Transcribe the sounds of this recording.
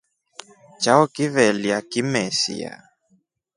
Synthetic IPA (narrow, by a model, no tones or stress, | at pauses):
t͡ʃaɔkivɛliakimɛsḭa̰